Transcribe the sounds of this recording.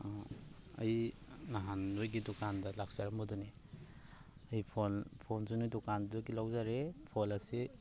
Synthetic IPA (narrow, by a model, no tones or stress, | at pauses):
ɐ̰jnaɦanojɡidukandalak̚saɾambɔdɔne | ajpʰonpʰonsunidukanduɡilawzaɾepʰɔlasi